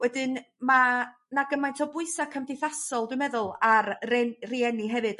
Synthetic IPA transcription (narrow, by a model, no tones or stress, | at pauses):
wɛdɨn | ma | naɡəmajntʰɔbʊɨsakʰəmdɪjθasɔlˠdwɨmɛðʊlˠarriɛniɦɛvɨd̥